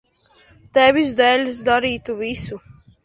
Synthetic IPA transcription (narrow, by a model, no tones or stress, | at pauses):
t̪ɛvʲizd̪ɛlʲs̬d̪aɾiːt̪uvisu